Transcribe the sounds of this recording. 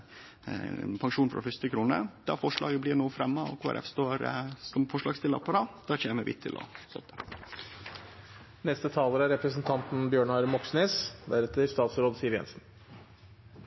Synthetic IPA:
pʰɑŋʃuːnfɾʔɑ̰fʏst̪ɪkʰɾuːnə̰d̪̥ɑ̰fɔʂɭɑ̰ːɡəblɪɾnuːfɾɛmːəɔ̰kʰʋɑ̰ɾʔɛ̰fst̪oːɾsɔmfɔʂɭɑːɡst̪ɪlːɑ̰pʰɑɾɑd̪̥ɑːt͡ɕeːnəməʋɪ̰t̪ʰːɪ̰lʔɔ̰sœ̰t̪ːə | nɛst̪ət̪ʰɑːləɾæɾɛpɾəsnt̪ʰɑnt̪n̩bjøːɳɑɾmɔksneːsd̪æɾɛt̪əɾst̪ɑːt̪sɾoːd̪siːəɾjɛ̰nsn̩

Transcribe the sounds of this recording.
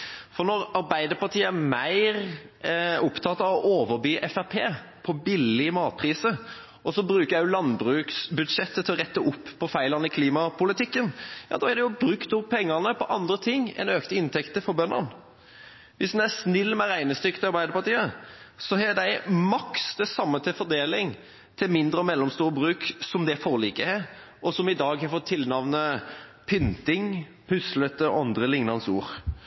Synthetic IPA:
fɔɾnɔɾɑɾbæɪd̪əɾpɑʈ̪ʰiːəæɾmæɪʁ | ʊpt̪ʰɑt̪ːɑʋɔʔoːʋəɾbyːʔɛfæpʰeː | pʰɔbɪlːɪmɑːt̪̚pʰʁiːsə | ɔsɔbɾʉːkəɾjæjʊlɑnbɾʉːksbʉd̪ʂɛt̪ːət̪ʰɪlɔʁɛt̪ːəʔʊpːʰɔfæɪlɑnəɪkʰliːmɑpʰʊlɪt̪ʰɪkːənjɑ̰ːd̪ɑːæɾd̪ɛjʊbɾʉkt̪ʊpʰɛŋːɑʁnəpʰɔʔɑnd̪ɾət̪ʰɪŋːɛ̰nøːkt̪əɪnt̪ʰɛkt̪əfɔɾbœnːə̰n | ʋɪsd̪ɛnæsnɪlːmɛɾæɪnəst̪ʏkt̪əɑɾbæɪd̪əpɑʈ̪iːəsɔɦɛd̪æɪmɑksd̪ɛsɑmːət̪ʰɪfɔɾd̪eːlɪŋ | t̪ʰɪlmɪnd̪ɾəɔmɛlːɔmst̪uːɾəbʁʉːksɔmd̪ɛæfoːɾliːkəɛ | ʔɔsɔmɪd̪ɑːɡhɑfɔt̪ʰːɪlnɑʋnəpʰʏnt̪ɪŋ | pʰʉslət̪əʔɑnd̪ɾəlɪŋnɑnsṵːɾ

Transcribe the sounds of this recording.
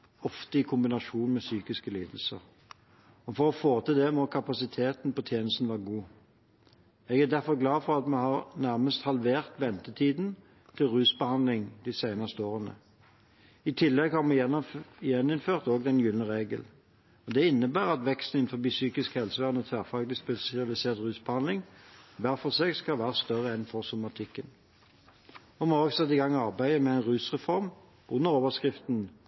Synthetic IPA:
ɔft̪əɪkʰʊmbɪnɑʂuːnmɛsyːkɪskəliːd̪l̩səʁ | ɔfɔʁɔfoːt̪ɪd̪ɛmɔkʰɑpɑsɪt̪ʰeːt̪n̩pɔt̪ʰjeːnəst̪n̩ʋɑːəɡuː | ɛɡæd̪æʁfɔʁɡlɑːfɔʁɑt̪mɛhɑʁnæʁməst̪hɑlʋeːʁt̪ʋɛnt̪ət̪ʰiːd̪n | t̪ʰɪlʁʉːsbəhɑnd̪lɪŋd̪ɪsæɪnɑst̪əoːʁənə̰ | ɪt̪ʰɪlːɛɡhɑʁmɛɛjɛnːɪnføːʁt̪oːɡd̪ɛnjʉlnəʁeːɡəl | ɔd̪ɛɪnːəbæːʁɑt̪ʋɛkst̪n̩ɪn̩fɔʁbiːsyːkɪskhɛlsəʋæːʁənət̪ʰʋæːʁfɑːɡlɪspɛsɪɑlɪseːʁt̪ʁʉːsbəhɑnd̪lɪŋʋæːʁfɔʁseːɡskɑʋæːʁəst̪œʁəɛnfɔʁsʊmɑt̪ʰɪkːən | ɔmoːɡsɛt̪ːɪɡɑŋːɑʁbæɪəmɛæɪnʁʉːsʁɛfɔʁm | ʔʊnːəʁoːʋəskʁɪft̪n

